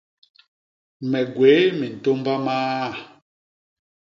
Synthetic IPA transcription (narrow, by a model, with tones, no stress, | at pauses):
mɛ˨ɡwe˨˦mi˨n̩˨to˦mba˦maː˦˨